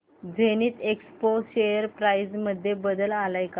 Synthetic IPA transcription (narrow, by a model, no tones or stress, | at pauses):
d͡zeniːt̪ekspoɕejəɾpɾajd͡zməd̪ʱːjebəd̪əlalajka